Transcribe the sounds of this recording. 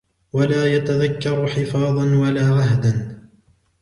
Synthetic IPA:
walaːjat̪aðakːɑɾˤħɪfɑːðˤɑnwalaːɣaɦd̪an

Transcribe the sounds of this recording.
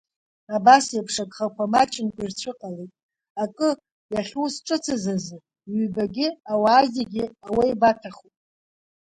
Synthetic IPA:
abasapʰʂaɡʼχakʷamat͡ʃʼɪnkʷʼairt͡ɕʷʰɨqʼalejtʼ | akʼɨ | jaɬʲusʈ͡ʂʼɨt͡sʰazazɨ | ɥybaɡʲɪawaːzeɡʲɪawajbatʰaχupʼ

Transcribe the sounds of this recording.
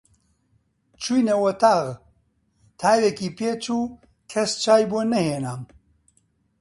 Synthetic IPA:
t͡ʃʰujnɐwɐt̪ʰaːɣ | t̪ʰaːjɾekiːpeːt͡ʃuː | kʰɐst͡ʃʰaːjbonɐheːnaːm

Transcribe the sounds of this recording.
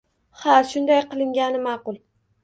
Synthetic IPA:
haʃʊnd̪ajqɨlˠɪŋɡʲanɪmɑqʊlˠ

